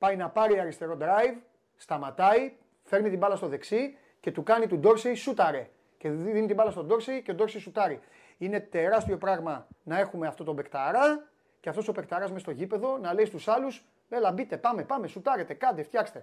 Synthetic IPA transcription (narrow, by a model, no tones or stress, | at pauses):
pɐjnɐpɐɾiɐɾist̪e̞ɾo̞d̪ɾɐjv | st̪ɐmɐt̪ɐi | fe̞ɾmit̪ibɐlɐst̪o̞ðe̞ksi | ce̞t̪ukɐnit̪ud̪o̞ɾsisut̪ɐɾe̞ | ce̞ðinit̪imbɐlɐst̪o̞d̪o̞ɾsice̞od̪o̞ɾsisut̪ɐɾi | ine̞t̪e̞ɾɐst̪io̞pɾɐɣmɐnɐe̞xumeɐft̪o̞t̪o̞be̞kt̪ɐɾɐ | ceɐft̪o̞so̞pe̞kt̪ɐɾɐzmest̪o̞ʝipe̞ðo̞nɐle̞ist̪usɐlus | elɐbit̪e̞pɐme̞pɐme̞sut̪ɐɾe̞t̪e̞kɐd̪eft̪çɐkst̪e̞